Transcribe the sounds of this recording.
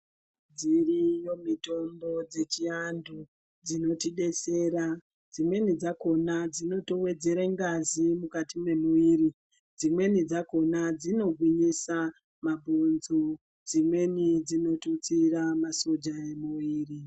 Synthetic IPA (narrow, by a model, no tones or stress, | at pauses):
d͡zirijo̞mito̞mbo̞d͡ze̞t͡ʃiandu | d͡zino̞tiɗe̞se̞ːɾa | d͡zimwe̞nid͡zako̞nad͡zino̞to̞we̞d͡ze̞ɾeŋɡazimukatimwe̞muʋiːri | d͡zimwe̞nid͡zako̞nad͡zino̞ɡʱwiɲisa | mabʱonzo | d͡zimwe̞nid͡zino̞tut͡siramaso̞d͡ʒaemuʋiːri